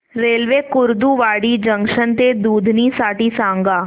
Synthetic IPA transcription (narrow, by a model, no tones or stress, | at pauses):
ɾeːlʋeːkʊɾd̪uʋaːɽid͡ʒɐ̃ŋʃənt̪ed̪uːd̪ʱnisaːʈisãːŋɡaː